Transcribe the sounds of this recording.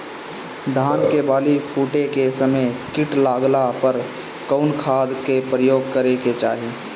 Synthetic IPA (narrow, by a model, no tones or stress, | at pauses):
d̪ʱaːnkebaːlipʰuːʈekesəməjkɪʈlaːɡlapəɾ | kəʊnkʰaːd̪kepɾəjoːɡkəɾeket͡ʃaːɦi